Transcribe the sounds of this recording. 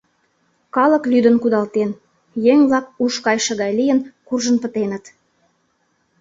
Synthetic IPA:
kɑlə̆klyd̪ə̆nkud̪ɑlt̪en | jeŋβlɑk̚uʃkɑjʃə̆ɣɑjlijənkurʒə̆npə̆t̪enə̆t̪

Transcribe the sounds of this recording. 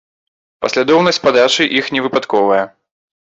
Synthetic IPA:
pɐsʲlʲad̪ɔwnɐsʲtʲsʲpad̪at͡ʂɨʔixnʲɛvɨpat̪kɔvɐjɐ

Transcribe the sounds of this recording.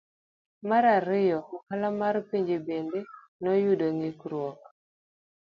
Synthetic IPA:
maɾaɾɪjɔɔkalamaɾpiɲd͡ʒebende | nɔjudoŋikɾwɔk

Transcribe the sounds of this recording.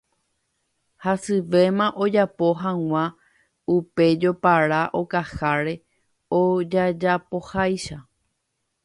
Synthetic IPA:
hasɨʋe̞mãʔo̞d͡ʒapo̞ɦãw̃ã | upe̞d͡ʒo̞paɾaʔokahaɾe̞ | od͡ʒad͡ʒapo̞hajʃa

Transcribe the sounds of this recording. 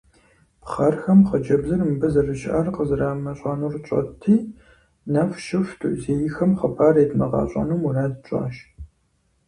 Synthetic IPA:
pχɐrxɐmχəd͡ʒɐbzɐrmbɐzɐrɨʃʔɐrqəzɨraːmɐɕʼɑnurɕʼɐ̰tʰiː | nɐfʃɪftʰṵʔzeːjɪxɐmχɐpʰaːreːdmɐʁɑ̰ːɕʼɐ̰nuːmunaːdɨt͡ʃʼɑ̰ːʃ

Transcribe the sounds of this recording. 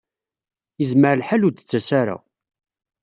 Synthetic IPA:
jəzməɾlħaluɾt̪ə̥t͡sːæsaɾa̰

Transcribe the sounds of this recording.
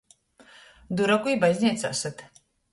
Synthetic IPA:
d̪uɾakujbajzʲnʲiɛt̪sa̰ːsat̪

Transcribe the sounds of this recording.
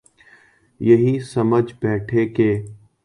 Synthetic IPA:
jɐɦisɐməd͡ʒbɛːʈʰekeː

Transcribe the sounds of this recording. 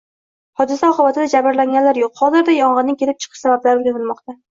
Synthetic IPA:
hɒd̪ɪsaɒqʰɨbat̪ʰɪd̪ad͡ʒabɪɾlaŋɡʲanlaɾjoqhɒzɪɾd̪ajɒɴʁɨnɪŋkʲʰe̞lɪp̚t͡ʃʰɨ̥qʰɨʃsabablaɾɪɡʲanɪlmɒqt̪a

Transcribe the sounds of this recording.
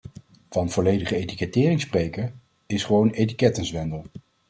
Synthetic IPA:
v̥ɑnv̥ɔlejdəχəejtikɛtɪːrɪŋsprejkəɹ | ɪsχəʋownejti̥kɛtənzʋɛndəlˠ

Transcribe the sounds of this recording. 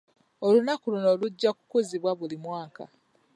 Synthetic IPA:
olunakuluno̞ːluɟːaku̥kuziβwaβulimwaːka̰

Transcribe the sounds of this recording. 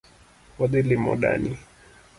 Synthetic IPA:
wadilimɔ̰ɗa̰ni

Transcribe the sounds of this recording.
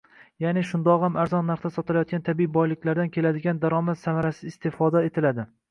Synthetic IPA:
janɪʃʊnd̪ɒqhamaɾzɒnːaɾχt̪asɒt̪ɪlajɒt̪̚kʲant̪ʰabibɒjlɪkʲlaɾd̪ankʲʰe̞lad̪ɪɡʲand̪aɾɒmat̪samaɾasɪɪst̪ʰɪfɒd̪aet̪ʰɪlad̪ɪ

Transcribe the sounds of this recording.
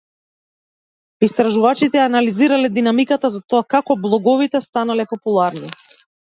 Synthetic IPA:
ist̪ɾaʒuvat͡ʃit̪ɛjanaliziɾalɛd̪inamikat̪azat̪ɔakakɔblˠɔɡɔvit̪ɛst̪analɛpɔpulˠaɾni

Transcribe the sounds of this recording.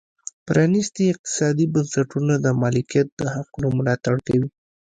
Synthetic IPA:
pɾɑnist̪iɪq̚t̪ɪ̥sɑd̪ibansaʈunad̪əmɑlɪkjat̪̚d̪əhaqunomʊlɑt̪aɽkawi

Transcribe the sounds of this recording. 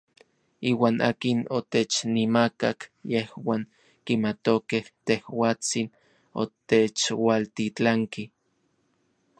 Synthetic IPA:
iːwaːnʔa̰ːkinot̪et͡ʃnimakakjehwaːŋ | kimat̪okeht̪ehwaːt͡sin | o̰t̪et͡ʃwalt̪it͡ɬaŋki

